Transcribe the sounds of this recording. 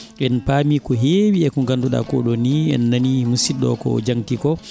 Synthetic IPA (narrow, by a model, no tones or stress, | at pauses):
ɛnpaːmikɔɦewiɛkuŋkanduɗa̰kɔ̰ɗɔniɛnːanimusiɗɔ̰kɔ̰d͡ʒaŋtikɔ